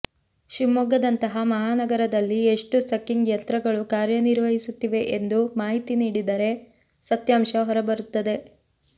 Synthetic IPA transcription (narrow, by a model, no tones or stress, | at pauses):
ʃimɔɡɐd̪ɐnt̪ɐɦɐmɐɦaːnɐɡɐɾɐd̪ɐlːie̞ʂʈusɐkːiŋɡjɐnt̪ɾɐɡɐɭukaːɾjɐniɾʋɐɦisut̪ːiʋe̞ʔend̪umaːɦit̪iniːɽid̪ɐɾe̞ | sɐt̪jaːmʃɐɦɔɾɐbɐɾut̪ːɐd̪e̞